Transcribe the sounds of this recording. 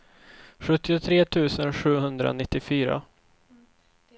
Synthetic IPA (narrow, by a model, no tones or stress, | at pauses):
ɧɵt̪ːɪʊt̪ʰɾeːt̪ʰʉ̟ːsənɧʉ̟ːɦɵnd̪ɾa̰nɪt̪ːɪfyːɾa̰